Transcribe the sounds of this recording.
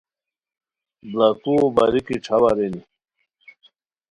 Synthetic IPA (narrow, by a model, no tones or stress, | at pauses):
blakubaɾikiʈ͡ʂʰawaɾeni